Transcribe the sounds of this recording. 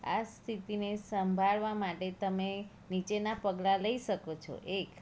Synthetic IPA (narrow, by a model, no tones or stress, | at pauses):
a̰st̪ʰit̪inesəmbʱaɭʋamaʈet̪əme | nit͡ʃenapəɡlaləiʃəkot͡ʃʰɔ̰ʔek